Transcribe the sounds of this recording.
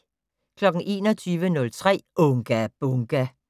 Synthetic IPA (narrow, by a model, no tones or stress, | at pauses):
kʰlɒ̽ɡ̥ŋ̩ʔe̝ːnɒ̽t͡sʰyːʋənɔ̽lt͡sʰʁɛ̰ːɔŋɡ̥æb̥ɔŋɡ̥æ